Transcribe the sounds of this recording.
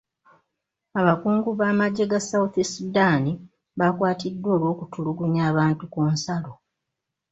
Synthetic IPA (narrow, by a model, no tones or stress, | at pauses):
aβakuːŋɡuβaːmaɟːe̞ɡasawθisudani | βakwaːtidːwo̞ːlwo̞ːkutuluɡuɲaːβaːntukunsalo